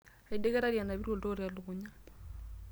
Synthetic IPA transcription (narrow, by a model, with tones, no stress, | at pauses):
a˨idekɛ˦ɾa˦ɾja˨naβi˦ɾwo˨to˦ɾea˨luɣuɲa